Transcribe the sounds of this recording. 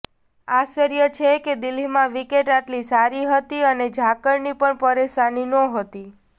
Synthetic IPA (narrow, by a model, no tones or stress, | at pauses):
aʃəɾjət͡ʃʰeked̪ɪlimãʋikeʈaʈlisaɾiɦət̪iəned͡ʒʱakəɾnipəɳpəɾeʃaninɔ̃ɦət̪i